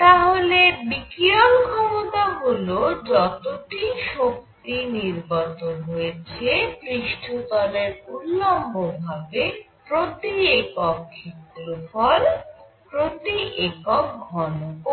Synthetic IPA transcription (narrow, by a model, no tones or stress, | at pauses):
t̪aɦolebikiolkʰɔmot̪aɦulod͡ʑɔt̪oʈiʃok̚t̪iniɾbat̪onɦojet͡ɕʰepɾiʃʈʰut̪ɔleɾulːombobʱabe | pɾod̪iekɔkʰːiklofɔl | pɾod̪iʔekɔk̚ɡʱɔnoko